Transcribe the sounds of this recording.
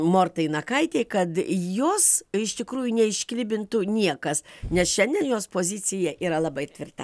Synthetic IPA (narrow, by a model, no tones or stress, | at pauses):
moːrt̪ɐɪnɐkɐɪt̪ʲeɪkɐt̪joːsɪʃt̪ʲɪkɾuːjʊnʲɛɪʃʲkʲlʲɪbʲɪnt̪ʊnʲiɛkɐsnʲɛsʃʲɛnʲd̪ʲɛnjoːspoːzʲɪt͡ssʲɪjɛʔiːɾɐlˠɐbɐɪt̪ʲʋʲɪrt̪ɐ̰